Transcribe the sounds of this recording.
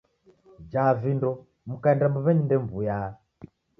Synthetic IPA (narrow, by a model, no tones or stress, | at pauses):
d͡ʒaːvindɔ | mukaɛndambɔβɛɲindɛmbujaː